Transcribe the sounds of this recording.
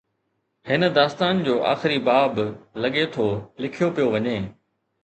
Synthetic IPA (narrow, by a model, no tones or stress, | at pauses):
hɪnə̆d̪aːst̪aːnd͡ʑoːʔa̰ːxɪɾibaːblɐɠet̪ʰolɪkʰijopijoʋɐɲeː